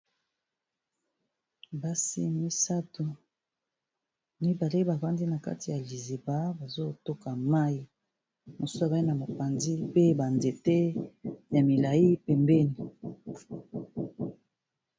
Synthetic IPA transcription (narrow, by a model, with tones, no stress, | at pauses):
ba˦sḭ˦mi˦sa˦tu˨ | mi˦ba˨le˦ba˨va˦ndi˦na˨ka̰˦ti˨ja˨li˨zi˨ba˦ba˨zo˦to˦ka˨ma˦ji˨ | mo˨su˦su˦a˦˨ba˦i˦na˨ma˨pa˨nzi˦pe˦ba˨nde˨te˦ja˨mi˨la˨i˦pɛ˨mbɛ˦ni˨